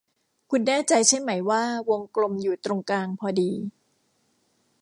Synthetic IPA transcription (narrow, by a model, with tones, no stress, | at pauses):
kʰu˧nːɛː˥˩t͡ɕa˧jt͡ɕʰe˥˩ma˩˦jwaː˥˩wo˧ŋklo˧mjuː˨˩t̪ɾo˧ŋkaː˧ŋpʰɔː˧diː˧